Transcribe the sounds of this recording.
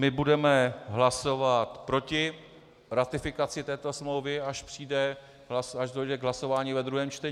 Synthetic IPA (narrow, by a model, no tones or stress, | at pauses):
mɪbudɛmɛɦlaso̞vat̪pɾo̞cɪ | ɾat̪ɪfɪkat͡sɪt̪ɛːt̪o̞smlowvɪaʃpr̥iːdɛ | ɦlasaʃdojdɛɡɦlaso̞vaːɲivɛd̪ɾuɦɛːmt͡ʃt̪ɛɲ